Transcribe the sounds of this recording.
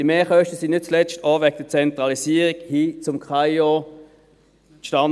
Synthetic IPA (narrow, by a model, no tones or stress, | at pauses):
d̥iəmeːχœʃtəsinnɪt̚t͡slɛt͡ʃtɔːʋɛɡ̚d̥ət͡sɛntʁɑlisiːəʁiɡhiːt͡sʊmkʰajo | ʃtan